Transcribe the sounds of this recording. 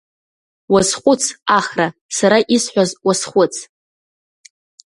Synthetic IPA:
wazχʷʼʊt͡sʰaχrasaɾaʔisħʷᶣazwasχʷʊt͡sʰ

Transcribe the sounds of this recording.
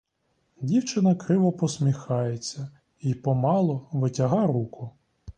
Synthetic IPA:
dʲiwt͡ʃɪnɐkɾɪʋɔpɔsmʲixɑjet͡sʲːɐ | ipɔmɑlˠɔʋɪtʲɐɦɑɾukʰʊ

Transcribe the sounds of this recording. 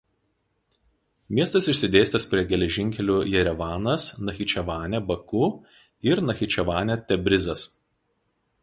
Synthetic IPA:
mʲiɛst̪ɐsɪʃʲsʲɪd̪ʲeːsʲt̪ʲɛspʲɾʲiɛɡʲɛlʲɛʒʲɪŋʲkʲɛlʲuːjɛɾʲɛʋɑːnɐsnɐxʲɪt͡ʃʲɛʋɑːnʲɛbɐkuː | ɪɾnɐxʲɪt͡ʃʲɛʋɑːnʲɛt̪ʲɛbʲɾʲɪzɐs

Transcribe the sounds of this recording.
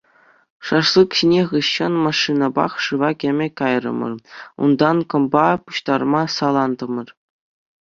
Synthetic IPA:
ʂɑʂlˠɯkɕinʲeʁɯɕːɤ̆nmɑʂːinɑbɑ̰χʂɯʋɑkʲĕmʲɘ̆kɑjrɤ̰̆mɤ̰̆rṵnd̪ɑnkɤ̆mbɑpuɕt̪ɑrmɑsɑlˠɑnd̪ɤ̆mɤ̆r

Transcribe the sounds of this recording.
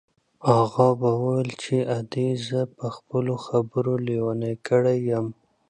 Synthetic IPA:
aɣɑbawawəlt͡ʃeʔad̪ezəpəxpəloxabəɾolewanakəɽajəm

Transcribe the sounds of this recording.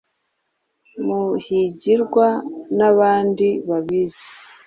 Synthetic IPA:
muhiɟiɾɡwanaβaːndiβaβizi̥

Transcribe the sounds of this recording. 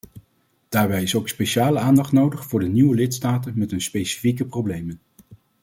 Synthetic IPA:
d̥aːɹbɛjɪsowkspeʃaːləaːndɑχtnowdəχfʊːɹdəniʋəlɪtstaːtənmɛtɦɵnspejsi̥fikəprowblejmən

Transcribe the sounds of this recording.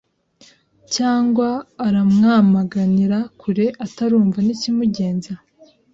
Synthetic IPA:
caːŋɡwaːɾamŋaːmaɡaniɾakʰuɾe̞ʔataɾuːɱvanicimuɟe̞ːnza

